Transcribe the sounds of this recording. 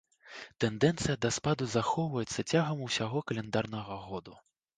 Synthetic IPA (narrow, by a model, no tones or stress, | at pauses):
t̪ɛnd̪ɛnt̪sɨjɐd̪ɐspad̪uzaxɔwvɐjɛt̪sːɐt͡sʲaɣɐmuwsʲaɣɔkɐlʲɛnd̪arnɐɣɐɣɔd̪u